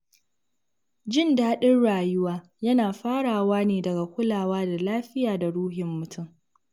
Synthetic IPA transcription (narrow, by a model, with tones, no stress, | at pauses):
d͡ʒɪ˦ndaː˦ɗɪ˦nɽaː˨jʊ˦waː˦ | jɐ˦naː˨ɸaː˦ɽaː˨waː˦neː˨dɐ˨ɡa˨kʷʊ˦laː˨waː˦da˨laː˦ɸɪ˦jaː˨da˨ɽuː˦ɦɪ˨mːʊ˨tʰʊ˦˨ŋ